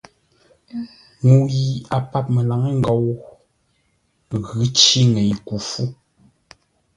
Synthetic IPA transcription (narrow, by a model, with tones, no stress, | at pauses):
ŋu˨ji˨a˨pa˦p̚me˨la˨ŋe˦ŋ̩˦ɡɔ˨w | ɣʉ˨˦t͡ʃi˦ŋe˨jku˨fu˦